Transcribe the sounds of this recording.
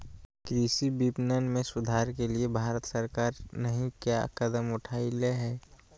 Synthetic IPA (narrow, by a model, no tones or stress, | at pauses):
kɾisibipnənmẽsʊd̪ʱaːɾkeliebʱaːɾət̪səɾkaːɾnəɦĩkjakəd̪əmʊʈʰaːɪleɦɛː